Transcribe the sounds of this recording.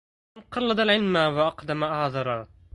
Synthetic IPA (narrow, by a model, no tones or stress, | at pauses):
nqɑlːɑd̪ˤalʕɪlmaːwaʔɑqd̪amaʔahðˤɑɾˤɑ